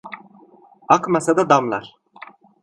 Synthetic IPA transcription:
akmasad̪ad̪amlˠa̰ɾ̥

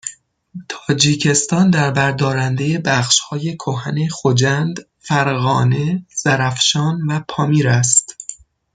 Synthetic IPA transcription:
t̪ʰɒːd͡ʒiːcʰe̞st̪ɒːnd̪æɾbæɾd̪ɒːɾænd̪eje̞bæχʃhɒːje̞kʰoɦæne̞xod͡ʒænd̪ | fæɾɣɒːne̞z̥æɾæfʃɒːnvæpʰɒːmiːɾæst̪

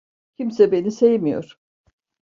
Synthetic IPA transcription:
cʰimsɛbe̞nisejimijo̞̰ɾ̥

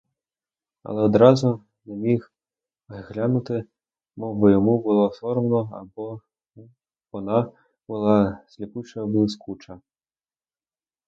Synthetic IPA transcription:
ɐ̰lˠɛɔd̪ɾazu | nʲɛmʲix | zɣlʲanut̪ɨ | mɔvɔjɔmubɨlˠɔfɔɾmnɔa̰bɔ | vɔna | bɨlˠaz̥ʲlʲiput͡ʂɐbɨskʰut͡ʂɐ

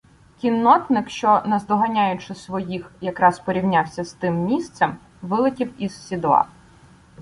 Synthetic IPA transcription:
kʲinːɔt̪nɪkʃt͡ʃɔnɐzd̪ɔɦɐnʲajʊt͡ʃɪsʋɔjixjɐkɾɑspɔɾʲiwnʲawsʲɐst̪ɪmːʲist̪sɛm | ʋɪlˠɪtʲiwiz̥sʲid̪ɔɑ̰

